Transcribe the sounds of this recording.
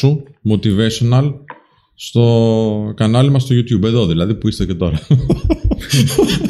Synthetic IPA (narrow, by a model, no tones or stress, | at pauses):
umo̞t̪ive̞sonɐl | st̪o̞kɐnɐlimɐst̪o̞ʝut̪çube̞ðo̞ðilɐðipuist̪ece̞t̪o̞̰ɾɐ